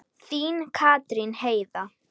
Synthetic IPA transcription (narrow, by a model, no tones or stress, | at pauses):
θiːnkʰaːt̪ɾinheːjða